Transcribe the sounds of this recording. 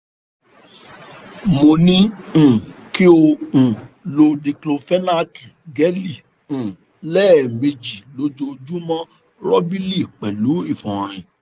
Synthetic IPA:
mo˨nĩ˦˨ | ki˦o˧ũ˨lo˧di˧klo˧fɛ˦na˦ki˨ɡɛ˨˦li˨ | ũ˨ | lɛː˦˨me˧d͡ʒi˨lo˨˦d͡ʒo˧d͡ʒu˦mɔ̃˦ | ɾɔ˦bi˦li˦˨k͡pɛ˨lu˨˦i˦˨fɔ̃˨ɾ̃ĩ˨

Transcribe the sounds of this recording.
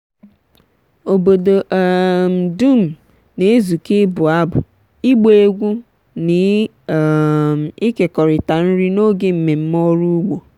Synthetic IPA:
o˨bo˨do˨ʔm̩˨du˦˨m̩˨ | ne˨e˦zu˨ke˦bʊ˨a˦bʊ̰˨ | i˦ɡ͡be˦e˦ɡʷu˦ | nɪ˨ | m̩˨i˦ke˨kɔ˨ɾɪ˨ta˨n̩˦ɾi˦no˦ɡe˦m̩˨me˨m̩˦mɔ˦ɾu˦ɡ͡bo˨

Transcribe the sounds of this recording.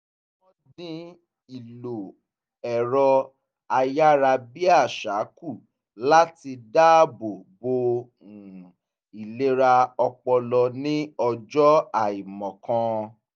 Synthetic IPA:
wɔ̃˦dĩ˧ | i˨lo˨ | ɛ˨ɾɔ˧ | a˧ja˦ɾa˧bi˦a˦˨ʃa˨˦ku˦˨ | la˦ti˧da˦˨bo˨bo˧˨ | i˨le˦ɾa˧ɔ˧k͡pɔ˧lɔ˧nĩ˦ɔ˧d͡ʒɔ˦a˦˨i˨mɔ̃˨kã˧

